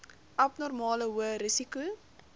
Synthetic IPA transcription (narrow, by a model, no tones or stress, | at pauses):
ʔɐpnɔrmɑːləɦuəɾəsiku